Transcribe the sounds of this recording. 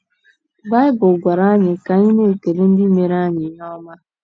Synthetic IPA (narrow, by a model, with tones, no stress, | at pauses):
ba˦ɪ˦bʊ˨lɡʷa˨ɾa˦ɲɪ˨ka˨ɲɪ˦ne˦˨ke˨ɾi˦n̩˦dɪ˦me˨ɾa˦ɲɪ˨˦ɲɔ˦ma˦